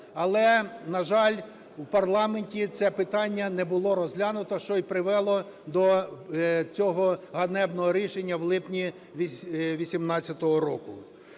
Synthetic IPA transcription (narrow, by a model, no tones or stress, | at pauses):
ɐlˠɛnɐʒɑlʲ | wpɐrlˠɑmenʲtʲit̪sɛpɪt̪ɑnʲːɐnɛbʊlˠɔɾɔzlʲanʊt̪ɔʃt͡ʃɔjpɾɪʋɛlˠɔ | d̪ɔ | t͡sʲɔɦɔɦɐnɛbnɔɦɔɾʲiʃenʲːɐwlˠɪpnʲi | ʋʲisʲimnɑt͡sʲːɐt̪ɔɦɔɾɔkʊ